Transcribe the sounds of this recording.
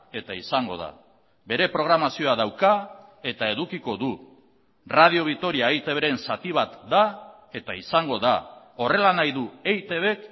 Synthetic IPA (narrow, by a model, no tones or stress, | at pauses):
e̞t̪aisaŋɡo̞̰ða̰ | be̞ɾe̞pɾo̞ɣ̞ɾamasio̞aðawkae̞t̪ae̞ðukiko̞ðu | rað̞io̞βit̪o̞ɾiaejt̪e̞βeɾe̞nsat̪iβ̞at̪d̪a | e̞t̪aisaŋɡo̞ða̰ | o̞re̞lanajðuejt̪e̞β̞e̞k